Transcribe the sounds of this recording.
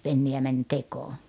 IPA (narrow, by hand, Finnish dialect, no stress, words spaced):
penːiæ mænʲ tekoː